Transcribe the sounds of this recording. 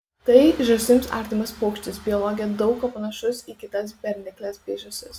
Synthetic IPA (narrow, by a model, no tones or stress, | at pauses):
t̪ɐɪʒʲʊsʲɪmsɑ̰ːˑɾʲt̪ʲɪmɐspoːkʃʲt͡ʃʲt̪ʲɪsbʲɪɔlˠɔːɡʲɪjɛd̪ɒʊkɐpɐnɐʃʊsiːkʲɪt̪ɐs̬bʲɛɾʲnʲɪklʲɛsbʲeːʒʲʊsʲɪs